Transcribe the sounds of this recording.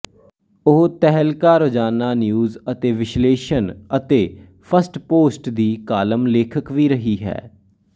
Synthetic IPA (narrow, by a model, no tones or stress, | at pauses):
ʊɦt̪ɛɦəlkaːɾod͡ʒaːnaːnjuːzət̪eːʋɪʃleːʃənət̪eː | pʰəsʈpoːsʈd̪iːkaːləmleːkʰəkʋiːɾəɦiːɦɛ̰ː